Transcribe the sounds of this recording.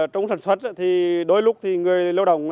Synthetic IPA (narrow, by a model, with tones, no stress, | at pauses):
t͡ɕɔ˧wŋ͡msaː˧˩nswə˦˥t̚ʔaː˧˩t̪ʰi˨˩ɗo˨˦jlʊ˦˥k͡p̚t̪ʰi˨˩ŋɨ˨˩əjlə˧wɗə̰˧˩wŋ͡m